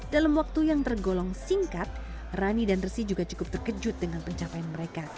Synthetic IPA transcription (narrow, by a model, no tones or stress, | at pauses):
dalamwak̚t̪ujaŋt̪ərɡolɔŋsiŋkat̪̚ | ranidanrəsid͡ʒuɡat͡ʃu̥kʊp̚t̪ərkəd͡ʒʊt̪̚dəŋanpəɲt͡ʃapajanməɾeka